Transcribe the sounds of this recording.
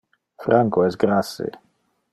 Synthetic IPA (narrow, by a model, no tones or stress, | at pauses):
fɾaŋkoɛsɡɾasḛ